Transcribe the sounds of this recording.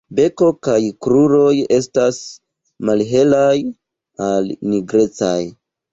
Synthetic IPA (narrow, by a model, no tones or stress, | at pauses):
be̞ko̞kajkɾuɾo̞je̞stas | malɦe̞laj | alniɡɾe̞t͡sa̰j